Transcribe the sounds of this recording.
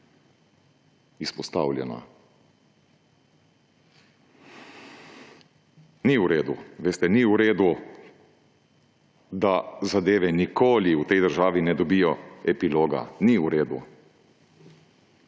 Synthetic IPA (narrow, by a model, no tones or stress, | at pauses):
ispɔst̪a̰ːwlʲjɛna̰ | niuɾeːd̪uʋeːst̪ɛniuɾeːd̪u | d̪azad̪eːʋɛnikoːliut̪ɛjd̪əɾʒaːʋinɛd̪ɔbijɔɛpiloːɡa̰niuɾeːd̪ṵ